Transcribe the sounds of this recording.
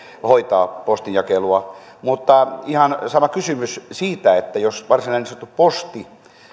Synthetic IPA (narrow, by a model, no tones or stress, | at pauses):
hoit̪ɑːpost̪injɑkeluɑ | mut̪ːɑihɑnsɑmɑkysymyssiːt̪æet̪ːæjosʋɑrsinɑinist̪ːuppost̪i